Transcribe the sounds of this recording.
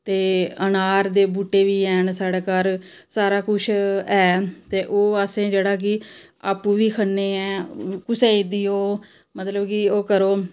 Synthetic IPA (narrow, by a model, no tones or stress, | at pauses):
t̪eːənaːɾd̪eːbuːʈːeːʋiːɛːnsaːɽeːkaɾ | saːɾaːkʊt͡ʃʰɛːt̪eːʔoːəsẽːd͡ʒeːɽaːk̬ɪ | aːpuːʋiːkʰənːeːɛːkʊseːɪd̪iːoː | mət̪ləbkɪoːkəɾoː